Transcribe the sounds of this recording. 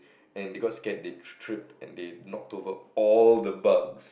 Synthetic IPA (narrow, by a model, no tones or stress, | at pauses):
ɛ̃ndeɡɔtskɛt̚detʰɹɪp̚tɛ̰̃ndenɔk̚tovəɔldəbaɡs